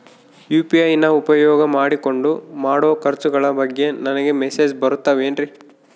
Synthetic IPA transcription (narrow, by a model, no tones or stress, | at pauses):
juːpiɐjnɐupɐjɔːɡɐmaːɽiko̞ɳɖumaːɽoːkɐɾt͡ʃuɡɐɭɐbɐɡːe̞nɐnɐɡe̞meseːd͡ʒbɐɾut̪ːɐʋeːnɾi